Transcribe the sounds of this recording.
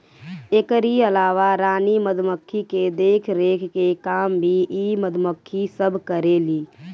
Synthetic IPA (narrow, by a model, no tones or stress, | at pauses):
ekəɾiəlaːʋaɾaːniməd̪ʱməkʰːiked̪eːkʰɾeːkʰkekaːmbʱiʔiməd̪ʱməkʰːisəbʱkəɾeːliː